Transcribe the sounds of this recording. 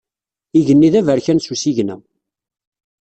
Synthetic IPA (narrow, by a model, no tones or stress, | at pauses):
iʝənːiðævəɾçænsusiʝnæ